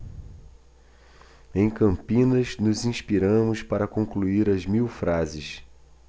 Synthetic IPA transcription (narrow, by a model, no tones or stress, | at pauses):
ẽj̃kɐ̃mpĩnɐznʊzĩspiɾɐ̃mʊspaɾɐkõkluiɾɐzmiwfɾazɪs